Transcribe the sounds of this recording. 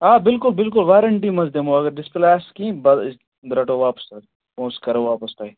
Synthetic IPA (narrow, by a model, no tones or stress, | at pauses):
aːbɪlkʊlbɪlkʊlʋaːɾɐɳʈimɐzd̪emõɐɡɐɾɖɪsplaːskĩːbɐ | b̪ɾɐʈoːʋaːpɐ̥sɐɾ | põːskɐɾoʋaːpɐspɐi